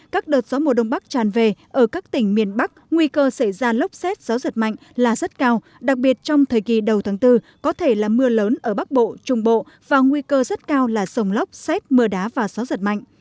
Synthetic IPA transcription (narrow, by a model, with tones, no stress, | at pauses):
kaː˦˥k̚ɗəː˨˩t̚z̥ɔ˨˦mo˨˩ɗə˧wŋ͡mɓa˦˥k̚t͡ɕaː˨˩nve˨˩ʔəː˧˩kaː˦˥k̚t̪ï˧˩ŋ̟mi˨˩ənɓa˦˥k̚ŋwi˧kəː˧sa˧˩jzaː˧lə˦˥wp̚sɛ˦˥t̚z̥aː˨˦wzə˨˩t̚ma̰˧˨jŋ̟laː˨˩zə˦˥t̚kaː˧w | ɗa˨˩k̚ɓi˨˩ət̚t͡ɕɔ˧wŋ͡mt̪ʰəː˨˩jki˨˩ɗə˨˩wt̪ʰaː˨˦ŋt̪ɨ˧ | kɔ˨˦t̪ʰe˧˩laː˨˩mɨ˧ələː˨˦nʔəː˧˩ɓa˦˥k̚ɓo̰˧˨t͡ɕʊ˨˩ŋ͡mɓo̰˧˨ | vaː˨˩ŋwi˧kəː˧zə˦˥t̚kaː˧wlaː˨˩zə˨˩wŋ͡mlə˦˥wk͡pp̚sɛ˦˥t̚mɨ˧əɗaː˨˦vaː˨˩zaː˨˦zə˨˩t̚ma̰˧˨jŋʔ